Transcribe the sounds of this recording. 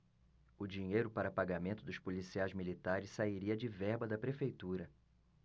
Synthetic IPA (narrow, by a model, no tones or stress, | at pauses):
ʊd͡ʒiɲejɾʊpaɾɐpaɡamẽnt̪ʊd̪ʊspulisiajzmilit̪aɾɪssaiɾiɐd͡ʒɪvɛɾbɐd̪ɐpɾefejt̪uɾɐ